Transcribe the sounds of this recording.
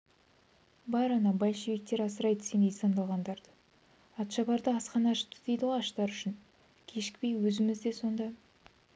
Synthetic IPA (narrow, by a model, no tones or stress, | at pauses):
bɑɾɑnɑbɑlʲʃebe̞k̚t̪e̞ɾɑsəɾɑjd̪ə̥se̞nejsɑnd̪ɑlˠʁɑnd̪ɑɾd̪ə | ɑt̪ʃɑbɑɾd̪əɑsqɑnɑʃə̥pt̪ʰə̥d̪ejd̪əwoɑʃt̪ɑɾʏʃɪn | kʲʰe̞ʃɪ̥k̚ʲpe̞jwɵzɪmɪzd̪e̞so̞nd̪ɑ